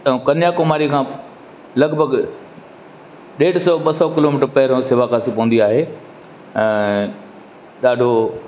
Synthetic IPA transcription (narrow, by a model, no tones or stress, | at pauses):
t̪ɐũkɐnjakomaːɾikʰãː | lɐɡbʱəɡ | ɗeːɖsɔɓɐsɔkɪloːmɪːʈəɾpɐɦɪɾõsɪʋakaːsipɐʋũnd̪iaːɦeː | ɛ̃ː | ɗaːɖʱo